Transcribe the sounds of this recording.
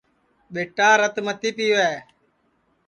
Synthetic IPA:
ɓeːʈaːɾət̪mət̪iːpiːʋɛː

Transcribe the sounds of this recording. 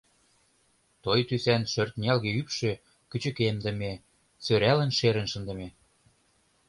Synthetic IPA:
t̪ojt̪ysænʃørt̪̚nʲiɑlɣeypʃø̆ | kyt͡ɕə̆kemd̪ə̆me | søɾælə̆nʃeɾə̆nʃənd̪ə̆me

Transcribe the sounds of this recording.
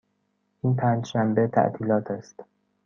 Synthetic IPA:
ʔiːnpʰæːnd͡ʒʃæmbe̞t̪ʰæ̰ʔt̪ʰiːlɒːt̪ʰæst̪

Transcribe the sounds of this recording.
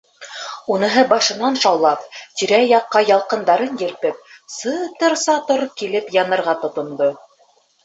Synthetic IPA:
unɤ̆ɦɤbɑʃɤ̆nɑnʃɑwlˠɑpt̪ʲiɾæjɑqːɑjɑlˠqɤ̆nd̪ɑɾɤnjɘ̆lpɘp̚sɤt̪ɤɾsɑt̪oɾkilɘpjɑnɤ̆ɾʁɑt̪ŏt̪ŏnd̪o

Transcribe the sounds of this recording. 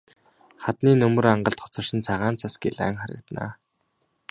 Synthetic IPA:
χat̪niːnɵmɵ̆raɴɢə̆ɬt̪χɔ̥t͡sɞ̆r̥ʃɪ̆nt͡sʰaʁaːnt͡sʰasɡḭɮæ̰ːŋχaɾə̰̆k̚t̪na̰ː

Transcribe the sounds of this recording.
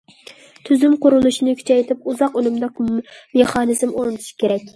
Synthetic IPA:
t̪ʰyzymqʰʊɾulˠuʃinɨkʲʰy̥t͡ʃʰɛjt̪ʰɪp̚uzɑqølymd̪ɑkmeχɑːnɨzmoɾunʰu̥ʃi̥kʲeɾɛk̚ʲ

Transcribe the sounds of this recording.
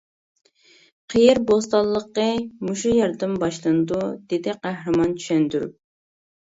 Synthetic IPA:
qʰijɪɾbost̪ɑlˠːəqːəmuʃujɑɾd̪ɨmbɑʃlˠɨnɨd̪ud̪ɪd̪ɪqʰæhɾɨmɑnt͡ʃʰy̥ʃɛnd̪yɾ̰

